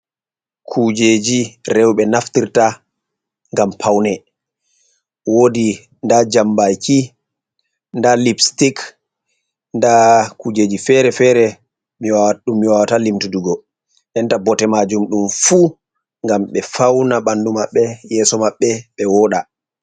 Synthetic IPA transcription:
kʰud͡ʒed͡ʒiɾɛwɓɛnaftiɾta | ŋɡampʰawnɛ | wodi | ndad͡ʒambajki | ndalipstik | ndakud͡ʒeːd͡ʒifɛɾɛfɛɾɛ | miwawɗumːiwawatalimtuduɡɔ | ʔɛntabɔtɛmad͡ʒumɗumfu | ŋɡamɓɛfawnaɓandumaɓːɛjɛːsɔmaɓːɛɓɛwɔːɗa

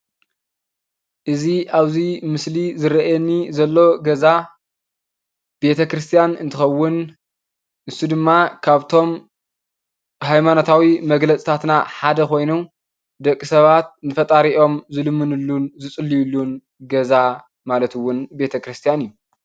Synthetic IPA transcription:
ʔɨziʔaβzimɨslizɨɾɐʔjɛnːizɐlːo̞ɡɐza | be̞t̪ʰɐkɾɨst̪ʰijanɨnt̪ʰɨxɐwːʊn | ʔɨsud̪ɨmːakʰaβt̪ʰo̞m | ɦajmanot̪ʰawimɐɡlɐt͡sʼit̪ʰat̪naħad̪ɐko̞jnu | d̪ɐkʼːisɐβat̪̚nɨfɐt̪ʼaɾiʔo̞mzɨlɨmːɨnɨlːunzɨt͡sʼɨlːijulːun | ɡɐza | malɐt̪ɨwːʊnbe̞t̪ʰɐkɾɨst̪ʰijanijːu

